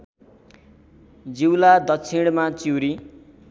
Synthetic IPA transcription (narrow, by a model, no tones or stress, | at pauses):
d͡ziwlad̪ʌkt͡sʰiɽmat͡siwɾi